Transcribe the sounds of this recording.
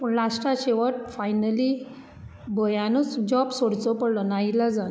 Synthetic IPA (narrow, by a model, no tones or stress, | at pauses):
pəɳlasʈaɕeʋaʈ̚fajnəli | bəjanɔt͡sd͡ʑɔbsoɽt͡sɔpəɽlɔnailad͡zan